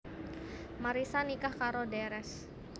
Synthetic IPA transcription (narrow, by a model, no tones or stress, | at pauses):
maɾisanikahkaɾodɛɾɛs